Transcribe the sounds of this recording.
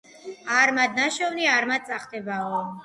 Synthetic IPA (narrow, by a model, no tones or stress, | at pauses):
aɾmad̪̚naʃɔvniaɾmad̪̚sʼaχd̪ɛbaɔ